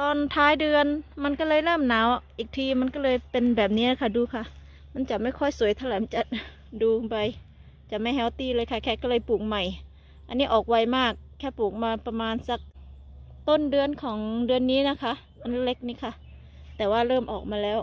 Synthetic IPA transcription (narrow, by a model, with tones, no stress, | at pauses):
t̪ɔː˧nt̪ʰaː˦˥jdɯ˧ənma˧˥˨nkɔ˧˥˩lɤː˧jlɤː˥˩mnaː˨˦wʔiː˨˩k̚t̪ʰiː˧ma˧˥˨nkɔ˧˥˩lɤː˧jpe˧nbɛː˨˩p̬̚niː˦˥˨na˧˩kʰa˧˩duː˧kʰa˧˩ | ma˧˥˨nt͡ɕa˨˩ma˥˩jkʰɔ˧˩jsu˨˩˦jt̪ʰa˧lɛː˨˦mt͡ɕa˨˩ʔ̚ | duː˧ba˧j | t͡ɕa˨˩ma˧˩jɦɛ˧˥˩wt̪iː˧˥˩lɤː˧jkʰa˧˩kʰɛː˧˩kɔ˧˩lːjpuː˨˩k̚ma˧˩j | ʔa˧nːiː˦˥ʔɔː˨˩k̚wa˧˩jmaː˥˩k̚ʰːɛː˧˩puː˨˩k̚maː˧pa˧maː˧nsa˧˦k̚ | t̪o˥˨ndɯ˧ənkʰɔː˩˦ŋdɯ˧ənːiː˦˥˨na˦˧˥kʰa˦˥ʔ | ʔa˧˨nlle˧˥k̚niː˧˥˩kʰa˧˥˩ | t̪ɛː˨˩waː˧˩lɤː˥˩mʔɔ̰ː˨˩k̚maː˧lɛː˦˥˩w